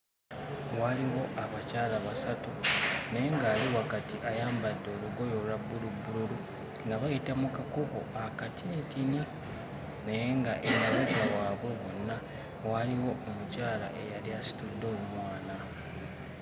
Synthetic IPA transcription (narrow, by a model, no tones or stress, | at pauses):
waliwo̞ʔaβacaːlaβasatune̞ŋɡaːliwakatiʔajaːmbadːo̞ːluɡo̞jo̞lwabːulubːululu | ŋɡaβajitamukakoko̞akatʰitina | ne̞jeŋɡaʔenaβeɟawaːβwe̞βonːa | waliwo̞omucaːla̰ʔe̞̰jaliasi̥tud̪ːoːmumwaːna